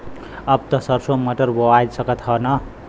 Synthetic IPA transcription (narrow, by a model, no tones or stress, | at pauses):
ʌb̚t̪ʌsʌrsomʌʈʌrboajsʌkʌt̪hʌnʌ